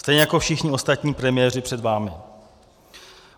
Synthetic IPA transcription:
st̪ɛjɲɛjako̞fʃɪxɲɪo̞st̪at̪ɲiːpɾɛmɪjɛːrɪpr̥ɛd̪vaːmɪ

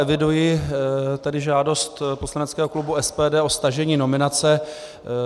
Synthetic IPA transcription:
ɛvɪdujɪ | t̪ɛdɪʒaːdo̞st̪poslanɛtt͡skɛːɦo̞klubuɛspɛːdɛːʔo̞st̪aʒɛɲiːno̞mɪnat͡sɛ

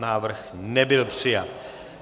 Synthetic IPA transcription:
naːvɾ̩xnɛbɪlpr̥ɪjat̪

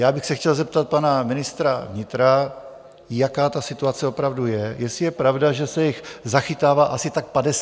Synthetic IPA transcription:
jaːbɪxsɛxcɛlzɛp̚t̪at̪̚panamɪnɪst̪ɾavɲɪt̪ɾa | jakaːt̪asɪt̪uat͡sɛo̞pɾavdujɛjɛsɪjɛpɾavdaʒɛsɛjɪxzaxɪt̪aːvaːʔasɪt̪ak̚padɛs

